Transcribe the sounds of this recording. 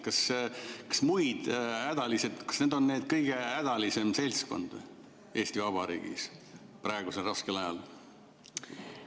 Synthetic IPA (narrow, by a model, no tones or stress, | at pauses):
kɑskɑ̥smujd̪̥æd̪̥ɑlise̞d̪̥kɑ̥sneːd̪o̞nne̞ːd̪̥̚kɤjɡ̥e̞æd̪̥ɑlise̞mse̞lʲsko̞̰nd̪̥ | e̞ːst̪ivɑb̥ɑɾḭːɡ̥ḭs | prɑeɡ̥uselrɑskelɑjɑl